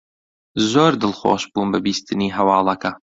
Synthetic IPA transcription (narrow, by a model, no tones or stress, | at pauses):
zoːɾd̪ɨlˠxo̰ːʃbuːnbɨbiːst̪ɨniːɦɐwɑːlˠɐkɐ